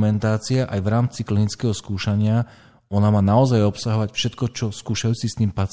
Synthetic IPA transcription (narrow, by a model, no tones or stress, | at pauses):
mɛnt̪aːt͡siaʔajʋɾaːmt͡siklinit͡skɛɦɔskuːʃaɲɪa | ɔnamaːnaɔzajɔpsaɦɔʋacfʃɛt̪kɔt͡ʃɔskuːʃajuːt͡sist̪iːmpat͡s